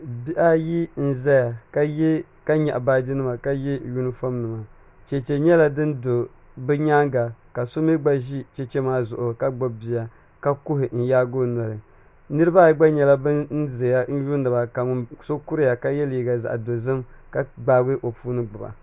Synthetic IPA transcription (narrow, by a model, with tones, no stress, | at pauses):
bi˦ʔa˦ji˦n̩˦za˦ja˨ka˦jɛ˦ | ka˦ɲa̰˨ʔba˦di˦nɨ˦ma˨ka˦ji˦ju˦nɨ˦fo˦mnɨ˨ma˨ | t͡ʃɛ˨t͡ʃɛ˨ɲɛ˦la˦dɨ˦ndo˨ | bɛ˦ɲa˦ŋɡa˨ka˨so˦mi˦ɡ͡ba˦ʒi˦t͡ʃɛ˦t͡ʃɛ˦maː˦zʊ˨ʔo˨ka˦ɡ͡bo˦bbi˨ja˨ | ka˦ku˦ɦɪ˨n̩˨jaː˦ɡo˦nɔ˨ɾɨ˨ | nɨ˦ɾɨ˦ba˦ɡ͡ba˦ɲɛ˨la˦bn̩˦ze˨ja˦n̩˦ju˦nː˦ɨ˨ba˨ka˨˦so˦ku˦ɾɪ˦ja˨ka˦jɛ˦lji˨ɡa˨za̰˨ʔa˨do˨zɨ˦mka˨ɡ͡baː˦ɡɨ˦ʔo˨puː˦nɨ˦ɡ͡bʊ˨ba̰˨